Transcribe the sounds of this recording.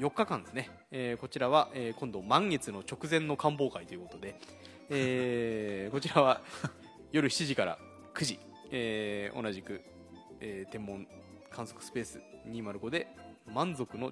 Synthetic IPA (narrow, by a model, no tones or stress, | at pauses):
jo̞kːakãnd̪esɨne | ko̞t͡ɕiɾaβaʔeːkõ̞nd̪o̞mãŋɡe̞t͡sɨno̞t͡ɕo̞kɯ̟zẽ̞nːo̞kãmbo̞ːkait̪o̞jɯ̟kot̪od̪e̞ | e | ko̞t͡ɕiɾaβa | jo̞ɾɯ̟çi̥t͡ɕiʑikaɾa̰ | kɯ̟ʑi | eːo̞̰naʑikɯ̟ | eːt̪ẽ̞mːõ̞ɴ | kʰãɰ̃so̞kɯ̥sɨ̥pe̞ːsɨ̥̰ɲ̟imaɾɯ̟ko̞d̪e̞ | mãnzo̞kɯ̟no̞